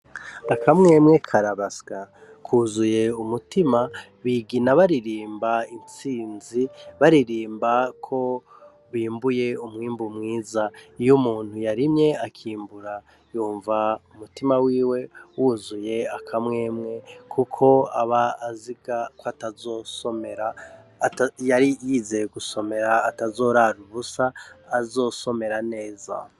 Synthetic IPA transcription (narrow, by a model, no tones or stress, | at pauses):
akʰamŋe̞ːmŋe̞kʰaɾaβaska | kʰuzuje̞umutima | βiɡinaβaɾiɾiːmbaint͡siːnziβaɾiɾiːmbakʰo̞ | βiːmbuje̞umŋiːmbumŋiːzaijumuːn̥hujaɾimɲe̞akʰiːmbuɾa | juːɱvaumutimawiːwe̞wuzuje̞akʰamŋe̞ːmŋe̞kʰukʰo̞a̰βaːziɡakoatazo̞so̞meɾa | jaɾijizeɡuso̞me̞ɾaːtazo̞ɾaɾuβusaːzo̞so̞me̞ɾane̞ːza̰